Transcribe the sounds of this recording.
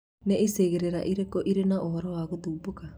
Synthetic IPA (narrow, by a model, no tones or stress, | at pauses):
nɛʔiseɣeɾeɾa̰ʔiɾekɔʔiɾenaʔɔaɾɔaɣod̪uːboka